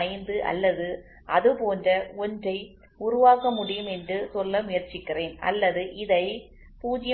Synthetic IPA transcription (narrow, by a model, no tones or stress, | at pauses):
ɐɪnd̪ɯʔɐ̰lːɐðɯ | ʔɐðɯpoːndrɐɔndrɐɪ | ʊɾʊʋaːkɐmʊɽɪjɯmɛndrɯsɔlːɐmʊjɐɾt͡ʃɪkːɪreːnɐ̰lːɐðɯʔɪðɐɪ | puːd͡ʒɪj